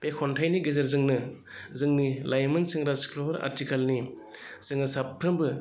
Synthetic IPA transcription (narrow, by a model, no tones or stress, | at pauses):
pekʰɔntʰajniɡezɐɾzɯŋnɯ | zɯŋnilajmɯnsɯŋɾaskʰloɦɾa̰ɾtikʰalni | z̥ɯŋnɯsapʰːɾɯmbɯ